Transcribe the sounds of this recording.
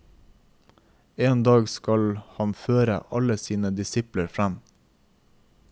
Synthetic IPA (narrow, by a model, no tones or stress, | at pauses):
eːnd̪ɑːɡskɑlhɑnføːɾə̰ʔɑləsiːnəd̪ɪsɪpləɾfɾæm